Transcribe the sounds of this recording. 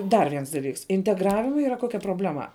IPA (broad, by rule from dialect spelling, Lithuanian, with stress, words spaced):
ˈdɐr ˈʋʲiɛns dɐˈlʲiːks ɪnʲtʲɛɡˈrɑːʋʲɪmɐ ˈiːrɐ ˈkoːkʲɛ proːbʲlʲɛˈmɐ